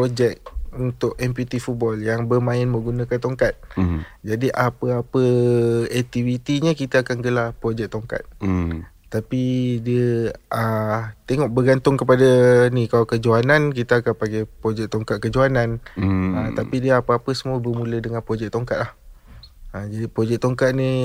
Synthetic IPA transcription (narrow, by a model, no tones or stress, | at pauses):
pɾod͡ʒɛk̚unt̪ʊʔɛmput̪ifut̪̚bɔljaŋbəmãɪnməɡunãkant̪oŋkat̪̚d͡ʒadiʔapəapəɛk̚t̪ivit̪iɲəkit̪aakanɡəlapɾod͡ʒɛk̚t̪oŋka̰t̪̚ | t̪ːapidiəət̪eŋɔʔ̚bəɡant̪ʊŋkəpadanikalawkəd͡ʒoanãnk̬it̪aakanpaŋɡapɾod͡ʒɛk̚t̪oŋkat̪̚kəd͡ʒuanãnət̪apidiəapəapəsəmuəbərmũlədəŋãnpɾod͡ʒɛk̚t̪oŋkat̪̚lah | əd͡ʒadipɾod͡ʒɛk̚t̪oŋkat̪̚ni